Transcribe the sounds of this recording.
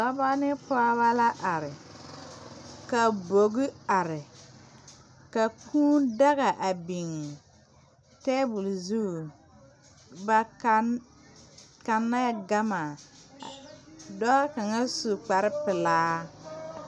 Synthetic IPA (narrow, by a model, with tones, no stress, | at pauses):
a˨˦ba˦nɪ˦pa˦βa˦la˦ʔa˨ɾɪ˨ | ka˨bo˨ɡi˦a˨ɾɪ˨ | ka˨kʰũː˦da˦ɣa˨ʔa˨bi˨ŋ˨ | tɛ˦bʊ˨lzu˦˨ | ba˨ka˨ | ka˨nːa˦ɡa˦ma˨ | dɔ˦ka˨ŋa˦su˨k͡pa˨ɾɪ˦pɪ˨laː˦